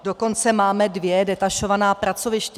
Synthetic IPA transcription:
do̞ko̞nt͡sɛmaːmɛdvjɛdɛt̪aʃo̞vanaːpɾat͡so̞vɪʃcɛ

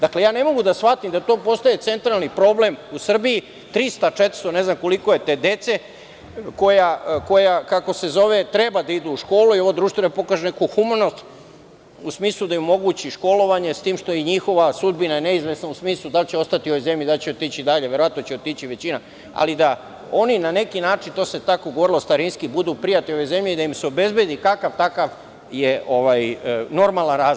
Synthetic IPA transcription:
d̪aklejaːne̞mo̞ɡud̪asʋat̪imd̪at̪oːpo̞st̪ajet̪se̞nt̪ɾalˠnipɾo̞ble̞musr̩biji | t̪ɾist̪at͡ʃet̪ɾ̥st̪o̞ne̞znamko̞liko̞jet̪eːd̪e̞t̪se̞ | ko̞jako̞jakako̞se̞zo̞ʋe̞t̪ɾe̞bad̪aid̪uuʃko̞ːluio̞ʋod̪ɾuːʃt̪ʋenapo̞kaːʒenekuxumano̞st̪ | usmiːslˠud̪ajumo̞ɡut͡ɕiʃko̞lo̞ʋaɲe̞st̪iːmʃt̪ojeɲixo̞ʋasud̪binajene̞izʋe̞snausmiːslˠud̪alt͡ɕeo̞st̪at̪iuo̞ʋo̞jze̞mʎid̪alt͡ɕeot̪iːt͡ɕid̪aʎeʋje̞ɾo̞ʋat̪not͡ɕeot̪it͡ɕiʋe̞t͡ɕina | a̰lid̪a | o̞ninane̞kinaːt͡ʃint̪o̞ːset̪akoɡoʋo̞ɾilost̪aɾinskibud̪upɾijat̪io̞ʋo̞jze̞mʎeid̪aimseo̞be̞zbje̞d̪ikakaʋt̪akaʋ | jeʔoʋajno̞ɾmalˠanɾaːzl

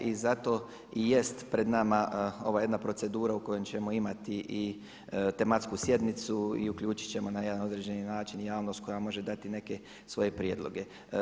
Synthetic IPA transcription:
ʔizat̪o̞ | ije̞st̪pɾe̞d̪namao̞ʋajed̪napɾo̞t̪e̞d̪uːɾauko̞je̞mt͡ɕe̞mo̞imat̪iʔi | t̪e̞mat̪skusje̞d̪nit̪suḭukʎuːt͡ʃi̥t͡ɕe̞mo̞naje̞d̪ano̞d̪ɾed͡ʑe̞ninaːt͡ʃinjaːʋno̞st̪̚ko̞jamo̞ʒe̞d̪at̪ine̞ke̞ | sʋo̞je̞pɾjed̪lˠo̞̰ɡe̞

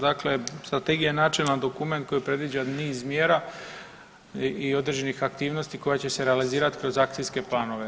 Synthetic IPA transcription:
d̪akle̞st̪ɾat̪e̞ɡijaenat͡ʃilad̪o̞kume̞nt̪̚ko̞jipɾe̞d̪ʋid͡ʑaniːzmje̞ːɾa | io̞d̪ɾed͡ʑe̞nixak̚t̪iːʋno̞st̪iko̞jat͡ɕe̞se̞ɾealiziːɾat̪i̥kɾo̞zakt̪sijske̞plˠaːno̞ʋe̞

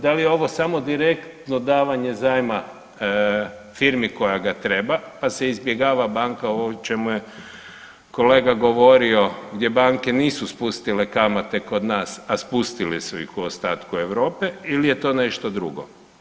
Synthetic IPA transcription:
d̪alijeo̞ʋo̞samod̪iɾe̞kt̪nod̪aːʋaɲezajma | fiɾmiko̞jaɡat̪ɾe̞bapaseizbjeɡaːʋabaŋkaoot͡ʃe̞muje | ko̞le̞ːɡaɡo̞ʋo̞ɾio̞ɡd̪je̞baŋke̞niːsuspust̪ilekamat̪e̞ko̞d̪naːsaspust̪ilisuḭxuost̪aːt̪kue̞ʋɾo̞ːpeilije̞t̪o̞ːneʃt̪od̪ɾṵɡo̰

